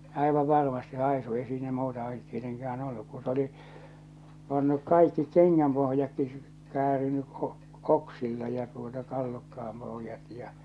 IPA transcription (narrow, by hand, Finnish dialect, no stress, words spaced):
ɑˑiʋɑʋ ʋɑrmɑsti̥ hɑisu ei siːnæ muːtɑ olːut tieteŋkæːn olːuk kun̞ s oli pɑnːuk kɑikːi keŋːæmpohjɑkːi kæːriny o k oksilːɑ jɑ tuotɑ tɑlːukːɑɑm pohə̆jɑt jɑ